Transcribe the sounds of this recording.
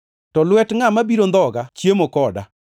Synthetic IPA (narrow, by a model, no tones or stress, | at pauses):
tɔlwɛtŋamabiɾond̪ɔɡat͡ʃjemokɔda